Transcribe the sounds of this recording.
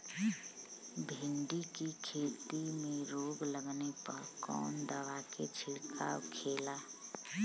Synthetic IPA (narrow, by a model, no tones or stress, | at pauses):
bʱɪɳɖikikʰeːt̪imẽɾoːɡləɡnepəɾkɔ̰ːnd̪əʋaket͡ʃʰɪɾkʰa̰ʊ̰kʰeːla